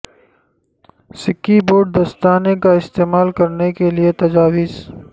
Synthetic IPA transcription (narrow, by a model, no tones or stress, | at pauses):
sɪkːiboːɾɖ̚d̪ɐst̪aːnekaɪst̪eːmaːlkɐɾnekeliet̪ɐd͡ʒaːwɪz